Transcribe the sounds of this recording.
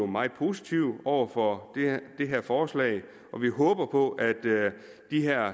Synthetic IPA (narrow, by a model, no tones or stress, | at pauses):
omɑ̈ɪð̩ˠpʰo̝sit͡sʰiʊɒʊ̰ɐfɒd̥d̥e̝ɦeɐ̰fɒːslɛ̰ɪ | ʔɒ̽ʋiɦɔ̽ːb̥ɐpʰɒ̽ʔæd̥ː | iɦeɐ̰